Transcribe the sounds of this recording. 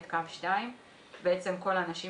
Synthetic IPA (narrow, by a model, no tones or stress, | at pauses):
t̪kafʃtaim | beet͡se̞mko̞lanaʃi